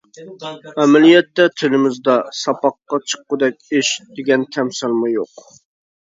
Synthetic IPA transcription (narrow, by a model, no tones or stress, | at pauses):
mɛmɛlijɛt̪ːɛt̪ʰɪlɪmɪzd̪ɑsɑpɑqːɑt͡ʃʰə̥qːʊd̪ɛk̚ʲɪʃd̪̥ɪɡʲɛnt̪ʰɛmsɪlˠmujoq